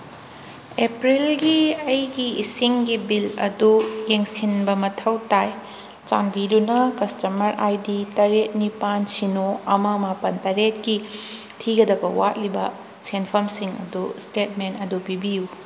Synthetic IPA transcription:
epɾilɡiɐjɡiisiŋɡibilɐ̰dujeŋsinbɐmɐtʰɐwtaj | t͡ʃanbidunɐkɐstɐmɐɾʔajditɐɾet̚nipansinoɐmɐmapɐntɐɾet̚ki | tʰiɡɐdɐbɐwat̚libɐ | senpʰɐmsiŋɐ̰dustet̚mentɐdupibiju

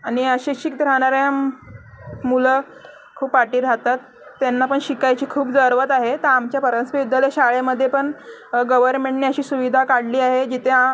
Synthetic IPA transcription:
aɽ̃iəɕiɕik̚d̪ʱɾaɽ̃aɾjam | mulə | kʰuːpʋaʈiːɾat̪at̪ː | janːapəɳɕikajt͡ɕiːkʰuːpd͡zəɾʋət̪aɦet̪əɾamt͡ɕjapəɾənspiʋud̪jaleɕaɭeməd̪ʱːjepəɳɡəʋəɾmẽɳʈniəɕiːsuʋid̪ʱakaɽliːaɦed͡ʑit̪ʰea

